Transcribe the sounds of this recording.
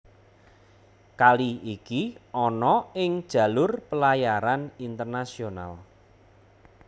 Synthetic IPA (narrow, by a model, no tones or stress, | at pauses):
kaliikiʔɔnɔɪŋd̥ʒ̥ä̤lʊrpəlajaɾanint̪ərnasiona̰l